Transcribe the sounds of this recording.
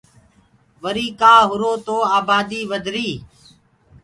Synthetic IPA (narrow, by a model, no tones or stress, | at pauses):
ʋəɾiːkaːɦʊɾoːt̪oːaːbaːd̪iːʋəd̪ʱɾiː